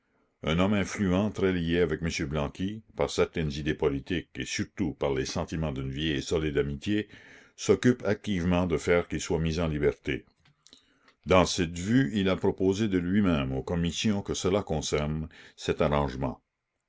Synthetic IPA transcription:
œ̃nɔmɛ̃flyɑ̃t̪ɾɛlieavɛk̚məsjøblɑ̃kipaʁsɛʁt̪ɛnzid̪epɔlit̪ikesyʁt̪upaʁlesɑ̃t̪imɑ̃d̪ynvjɛjsɔled̪amit̪jesɔkypak̚t̪ivmɑ̃d̪əfɛːʁkilswamizɑ̃libɛʁt̪e | d̪ɑ̃sɛt̪vyilapɾɔpozed̪əlɥimɛ̃mokɔmisjɔ̃kəsəlakɔ̃sɛʁnsɛt̪aʁɑ̃ʒmɑ̰̃

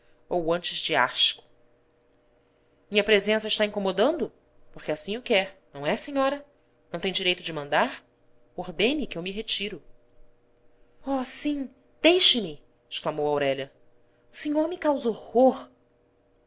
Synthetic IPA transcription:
owɐ̃nt͡ʃɪzd͡ʒɪa̰ʃkʊ̥ | mĩɲɐpɾezẽsɐiʃt̪aĩŋkomod̪ɐ̃nd̪ʊ | poχkɪasĩewkɛɾnɐ̃w̃ɛseɲɔɾɐ | nɐ̃w̃t̪ẽj̃d͡ʒiɾejt̪ʊd͡ʒɪmɐ̃nd̪aɾ | oɾd̪ẽnikɪewmiɦet͡ʃiɾʊ | ɔsĩ | d̪̥ejʃɪmɪ | ɪʃklamowawɾɛʎɐ | ʊseɲoɾmɪkawzohoɾ

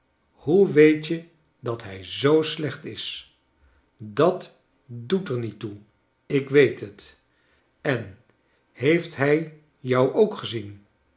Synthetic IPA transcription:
huʋejtjə | dɑtɦɛjzowslɛχtɪs | dɑt | dutəɹnitu | ɪkʋejtət | ɛn | hejftɦɛj | jʌwʔowkχəzin

